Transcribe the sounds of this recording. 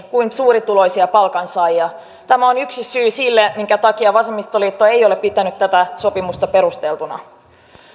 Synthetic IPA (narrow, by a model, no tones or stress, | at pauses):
kuinsuːɾit̪ulo̞isiɑpɑlkɑnsɑijjɑ | t̪æmæonyksisyːsilːemiŋkæt̪ɑkiɑʋɑsemːˑist̪oliːt̪ːoe̞jo̞leppit̪ænyt̪ːæt̪æso̞pimust̪ɑpe̞ɾust̪elt̪unɑ̰